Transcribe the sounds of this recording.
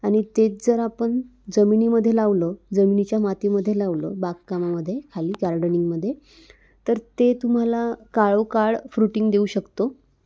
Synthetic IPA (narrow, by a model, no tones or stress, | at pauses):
aɽ̃it̪et͡sd͡zəɾapəɳd͡zəminiːməd̪ʱːjelaʋləd͡zəminit͡ɕjamat̪iməd̪ʱjelaʋləbakkːamaməd̪ʱːjekʰaliːɡaɾɖəniŋɡməd̪ʱːje | t̪əɾt̪et̪um̤alakaɭokaɭfɾuʈiŋɡd̪euɕəkt̪o